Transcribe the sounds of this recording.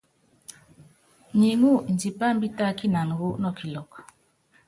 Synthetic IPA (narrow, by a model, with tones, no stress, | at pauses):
ɲi˨ŋu˦˨n̩˨d͡ʒi˨pa˦m̩˦bi˦ta˦ki˦na˨nu˨wo˦nɔ˦˨ki˨lɔ˨k